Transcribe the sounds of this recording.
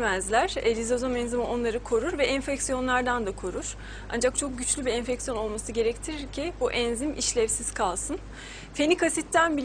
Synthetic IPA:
mɛzlʲæɾ̥lʲizozomɛnzimɯʔo̞nlˠaɾɯkʰo̞ɾuɾvɛʔɛnfɛcsijo̞nlˠaɾd̪and̪akʰo̞ɾuɾ̥ | a̰nd͡ʒak̚t͡ʃʰo̞k̚ɟyt͡ʃlʲybiɛnfɛcsijo̞no̞lˠmasɯɟe̞ɾɛct̪ʰiɾiɾcʰibuʔɛnzimḭʃlʲɛfsiz̥kʰalˠsɯn | fenikʰasit̪ːænbi

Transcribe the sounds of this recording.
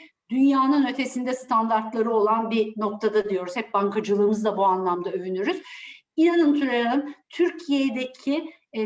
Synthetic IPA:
d̪ynjaːnɯnø̞t̪ʰe̞sind̪ɛst̪ʰand̪aɾt̪lˠaɾɯo̞lˠanbino̞k̚t̪ʰad̪ad̪ijo̞ɾuz̥hɛp̚baŋkʰad͡ʒɯlˠɯːmɯzd̪abuanlˠamd̪aøvynyɾyz̥ | inanɯnt̪ʰyɾejanɯnt̪ʰyɾcʰijed̪ecʰi

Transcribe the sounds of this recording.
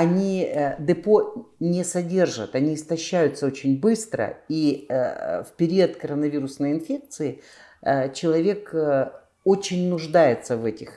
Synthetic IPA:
ɐnʲid̪ɨponʲɪsɐdʲe̞rʐət̪ɐnʲiɪst̪ɐɕːæjʊt̪səot͡ɕɪnʲbɨst̪ɾə̰i | fpʲɪɾʲiət̪kəɾənɐvʲiɾʊsnəjɪnfʲe̞k̚t̪sɨɪ | ət͡ɕɪlˠɐvʲe̞k | ot͡ɕɪnʲnʊʐd̪ajɪt̪səvɛtʲɪx

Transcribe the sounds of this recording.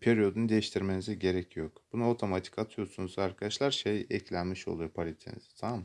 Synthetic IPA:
pʰeɾijo̞d̪unud̪e̞jiʃt̪ʰiɾme̞niziɟe̞ɾɛcʰjokb̥unuo̞t̪ʰo̞mat̪ʰi̥kat̪ʰɯjo̞sunuzaɾkʰad̪aʃlˠaɾʃejɛclʲænmiʃo̞̰lˠujopʰalʲit̪ʰenḭz̥i̥t̪ʰamm

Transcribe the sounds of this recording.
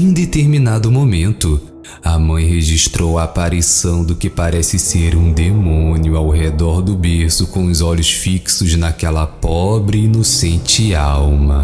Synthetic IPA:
ĩd̪et̪eɾmĩnad̪ʊmomẽnt̪ʊ | ɐmɐ̃j̃ɦeʒiʃt̪ɾowɐːpaɾisɐ̃w̃d̪ʊkɪpaɾɛsɪseɾũd̪emõniʊawɦed̪ɔɾd̪ʊbeɾsʊkõʊzɔʎʊsfiksʊznakɛlɐpɔbɾɪinosẽnt͡ʃɪawmɐ

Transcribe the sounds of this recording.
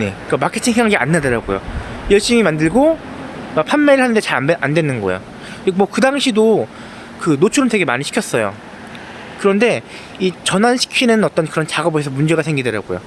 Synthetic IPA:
ne̞̰ | k͈amakʰe̞tʰiŋsʰeŋaŋɡea̰nːadʌɾaɡojo̰jʌɭɕ͈imimandɯɭɡo | mak̚pʰanmeɾɯɭhanɯndet͡ɕaɾʔandwe̞nɯnɡʌḛjo | mwʌkɯdaŋɕʰido | kɯnot͡ɕʰuɾɯnte̞ɡe̞maɲiɕʰi̥kʰjʌs͈ʌjo̰ | kɯɾʌnde̞ | it͡ɕʌnanɕʰi̥kʰinɯnʌt͈ʌnkɯɾʌnt͡ɕaɡʌboesʰʌmund͡ʑe̞ɡasʰe̞ŋɡidʌɾa̰ɡojo̰

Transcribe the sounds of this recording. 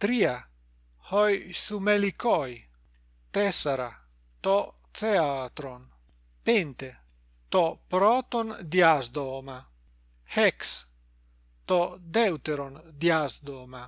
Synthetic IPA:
t̪ɾia | hɔjsumelikɔj | t̪ɛsaɾa | t̪ɔt̪t͡seat̪ɾon | pent̪e | t̪ɔpɾɔt̪ond̪jazd̪oma | hɛks | t̪ɔd̪ɛwt̪eɾond̪jazd̪oma

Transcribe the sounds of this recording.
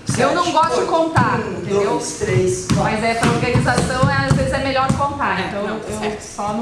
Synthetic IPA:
ewnɐ̃w̃ɡɔst̪ʊd͡ʒɪkõnt̪aɾĩt̪ẽd̪ewt̪ɾejsmɐzɛsɐoɾɡɐnizasɐ̃w̃ɛazvezɪzɛmeʎɔɾd͡ʒɪkõnt̪aɾẽt̪ɐ̃w̃ewewɛ̥ | fɔm

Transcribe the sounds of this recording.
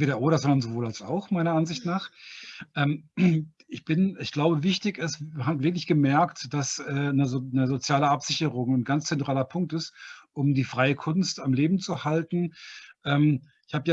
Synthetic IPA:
veːɾɐʔoːɾɐzɔndɐnzovoːlalsa̰ʊxmaɪnɐanzɪçtnaːχʔɛːm | ʔɪçb̥ɪnɪçɡ̥laʊbəvɪçtɪçɪsɦaːtvɪɐk̬lɪçɡ̥əmɛɐktd̥asɛːnəznəzot͡sjaːləapz̥ɪçəʁʊŋanɡant͡st͡sɛntʁ̥aːlɐpʰʊŋk̚tɪstʔʊmdiːfʁ̥aɪəkʰʊnstamleːbm̩t͡suhaltn̩ʔɛːm | ɪçhaːbəja

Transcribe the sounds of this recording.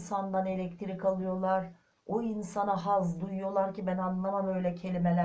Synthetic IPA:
sand̪ane̞lʲɛct̪ʰiɾikalˠɯjo̞lˠaɾ | oinsanaɦazd̪ujjo̞lˠaɾcibænanlˠamamø̞jlʲɛcʰe̞lʲimelʲæ

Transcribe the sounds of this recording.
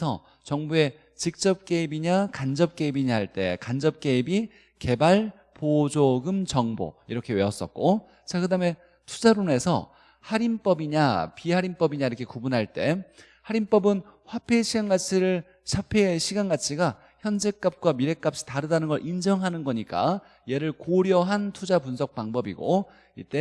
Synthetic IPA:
ʌ̰ | t͡ɕʌŋbue̞ | t͡ɕik̚t͡ɕ͈ʌp̚k͈e̞ibiɲakand͡ʑʌp̚k͈e̞ibiɲaɦaɭt͈e̞̰kand͡ʑʌp̚k͈e̞ibi | ke̞baɭ | pod͡ʑoɡɯmt͡ɕʌŋbo̰iɾʌkʰe̞weʌs͈ʌ̰t̚k͈o | t͡ɕakɯdame̞ | tʰu̥d͡ʑaɾone̞sʰʌ̰ | haɾimp͈ʌbiɲapiɦaɾimp͈ʌbiɲaiɾʌkʰe̞kubunɦaɭt͈e̞ | haɾimp͈ʌbɯnɸwapʰeɕʰiɡanɡat͡ɕʰiɾɯɭ | ɕʰapʰeeɕʰiɡanɡat͡ɕʰiɡa | çjʌnd͡ʑek͈ap̚k͈wamiɾe̞k͈ap̚ɕ͈i̥taɾɯdanɯnɡʌɭʔind͡ʑʌŋɦanɯnɡʌɲik͈a̰ | je̞ɾɯɭkoɾjʌɦantʰud͡ʑapunsʰʌk̚p͈aŋbʌbḭɡo̰ | ḭt͈e̞

